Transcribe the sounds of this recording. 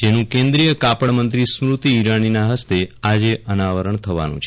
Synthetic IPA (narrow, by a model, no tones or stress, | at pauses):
d͡ʒenũkẽnd̪ɾijəkapəɳmənt̪ɾismɾut̪iːɾaninaɦəst̪ead͡ʒeʔənaʋəɾəɳt̪ʰəʋa̰nṵ̃t͡ʃʰe